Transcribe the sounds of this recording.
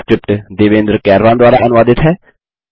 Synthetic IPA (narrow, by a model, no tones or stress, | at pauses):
kɾɪp̚ʈd̪eːʋẽːnd̪ɾkɛːɾʋãːnd̪ʊaːɾaʔənʊʋaːd̪ɪt̪ɦɛː